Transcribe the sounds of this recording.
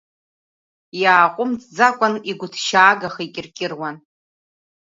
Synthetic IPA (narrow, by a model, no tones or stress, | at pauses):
jaːqʷʼʊmt͡sʼd͡zakʷʼaniɡʷʊtʰʃaːɡaχikʲʼɪrkʲʼɪrwan